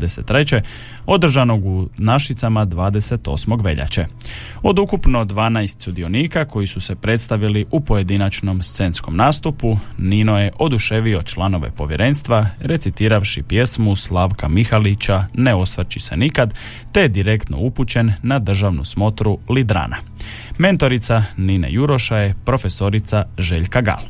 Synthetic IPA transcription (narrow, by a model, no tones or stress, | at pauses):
d̪eset̪ːɾe̞t͡ɕe̞ | o̞d̪r̩ʒano̞ɡunaʃit̪samad̪ʋaːd̪e̞se̞t̪o̞̰smo̞ɡʋe̞̰ʎa̰t͡ɕe̞ | o̞d̪ukupno̞d̪ʋaːnajst̪sud̪io̞niːkako̞jisuse̞pɾe̞t̪st̪aʋiliʔupoje̞d̪inat͡ʃno̞mst̪se̞nsko̞mnaːst̪upuninoje̞ʔo̞d̪uʃe̞ʋio̞t͡ʃlˠano̞ʋḛpo̞ʋjeɾʔe̞nst̪ʋaɾe̞t̪sit̪iːɾaʋʃipje̞smuslaːʋkamixalit͡ɕane̞o̞sʋr̩t͡ɕise̞̰nikad̪ | t̪e̞jed̪iɾe̞kt̪no̞̰uput͡ɕe̞nːad̪r̩ʒaʋnṵsmo̞t̪ɾulid̪ɾa̰ːna | me̞nt̪o̞ɾit̪saninḛjuɾo̞ʃaje̞pɾo̞fe̞so̞ɾit̪saʒe̞ʎkaɡa̰lˠ